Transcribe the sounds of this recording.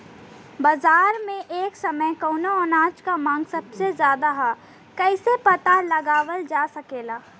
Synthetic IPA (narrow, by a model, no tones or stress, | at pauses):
bazaːɾmẽʔeːksɐməjkɔʊnoɔːnãːt͡ʃkamãːŋɡsɐbsezjaːd̪aɦa | kɛɪsepɐt̪alɐɡaːʋəld͡ʒaːsɐkeːlaː